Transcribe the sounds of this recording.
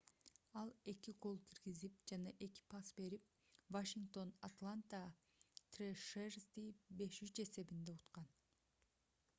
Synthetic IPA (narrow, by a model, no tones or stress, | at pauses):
ɑlˠe̞kiqolˠkʰiɾɡizip̚d͡ʒɑnɑʔe̞ki̥pɑsbe̞ɾip̚ | vaʃiŋkt̪o̞nat̪lˠant̪a | t̪reʃerzd̪ibe̞ʃyt͡ʃe̞se̞bind̪e̞ut̪qɑn